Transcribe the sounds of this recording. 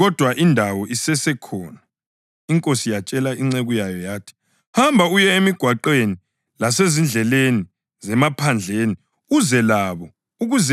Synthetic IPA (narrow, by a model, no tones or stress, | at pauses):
ɣɔd̥ʱwaʔindʱawɔʔisɛsɛkʰɔːna | iŋkʼosijat͡ʃʼɛlaiŋ͡ǀeɣujajɔjaːtʰi̥ | hambʱaujɛemiɡ̥ʱwaǃeni | lasezind͡ɮʱɛleni | zɛmapʰand͡ɮʱeni | uzɛlaβɔ | uɣuzɛ